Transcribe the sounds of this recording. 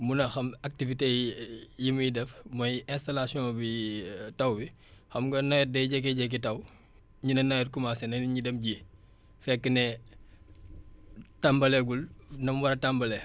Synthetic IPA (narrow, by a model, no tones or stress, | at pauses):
munɐxɐmak̚tivitejimujidɛfmɐjɛ̃nstalasiɔ̃ːbitɐwbi | xɐmɡɐnɐjɛdɛjɟɛk̬ːɛɟɛk̬ːitɐw | ɲinɐnɐjɛr̚kumasɛnɐnɲidɛmɟi | fɛkːənɛ | tambɐlɛɡulnɐmwɐɾɐtambɐlɛ